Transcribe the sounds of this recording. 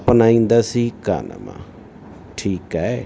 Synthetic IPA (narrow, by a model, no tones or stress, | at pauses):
pnaːĩːnd̪aːsiːka̰ːnə̰mã̰ː | ʈʰiːkɛː